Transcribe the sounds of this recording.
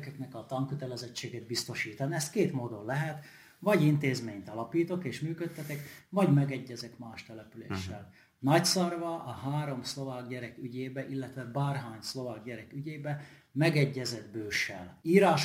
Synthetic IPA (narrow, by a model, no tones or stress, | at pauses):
kɛknɛkɒt̪ɒŋkøt̪ɛlɛzɛt͡ʃːeːɡed̪̚bist̪o̞ʃiːt̪ɒniɛst̪keːt̪moːd̪onlɛɦɛt̪ | vɒɟint̪eːzmeːɲt̪ɒlɒpiːt̪o̞keːʃmyːkøt̪ːɛt̪ɛkvɒɟmɛɡɛɟːɛzɛkmaːʃt̪ɛlɛpylḛːʃːɛ̰l | nɒcsɒrvɒʔɒɦaːɾo̞mslo̞vaːɡɟɛɾɛkyɟeːbɛʔilːɛt̪ʋɛbaːrɦaːɲslo̞vaːɡ̚ɟɛɾɛkyɟeːbɛ | mɛɡɛɟːɛzɛd̪̚bøːʃɛ̰liːɾaːʃ